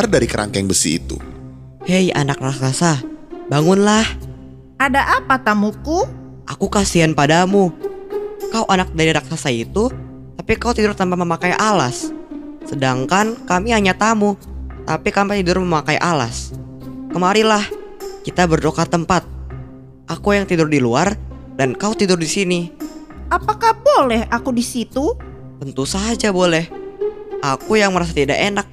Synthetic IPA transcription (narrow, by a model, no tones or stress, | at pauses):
ardaɾikəɾʔa̰ŋkaŋbəsḭḭt̪ṵ | heja̰nak̚rak̚sasabaŋʊnlah | adaʔapat̪amuku | ʔakukasianpadamu | kauʔanak̚daɾiɾak̚sasait̪u | t̪apikaut̪idʊrt̪əmpat̪̚məmakajʔalasː | ədaŋkankamiɦaɲat̪amut̪apikamat̪idʊrməmakajʔala̰s | kəmaɾilah | kit̪abərdokart̪əmpat̪̚ | ʔakujaŋt̪idʊrdiluar | dankaut̪idʊrdisini | ʔapakahbolɛhakudisit̪u | t̪ənt̪usad͡ʒabolɛhʔakujaŋməɾas̬at̪ida̰ʔenak̚